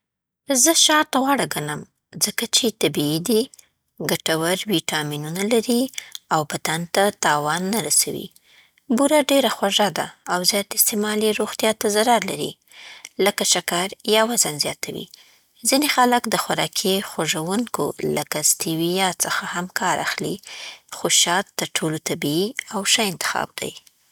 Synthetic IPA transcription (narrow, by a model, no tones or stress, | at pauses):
zəʃɑɾt̪aɣwɑɽaɡanam | zəkat͡ʃet̪abiid̪i | ɡaʈawaɾwiʈɑminunalaɾiawpat̪ant̪at̪ɑwɑnːaɾasawḭ | buɾaɖeɾaxwaʒad̪a̰ːwzjɑt̪ɪst̪emɑliɾoɣt̪jɑt̪azaɾaɾlaɾḭ | ləkaʃakaɾjawazanzjɑt̪awḭ | zinexaləkd̪əxwaɾɑkʰixwaʐawuŋko̰lakast̪iwijɑsəxahamkʰɑɾa̰xlixoʃɑt̪ːəɾʈʰolot̪abiiawʃaɪnt̪ɪ̥xɑ̰b̚d̪̥a̰j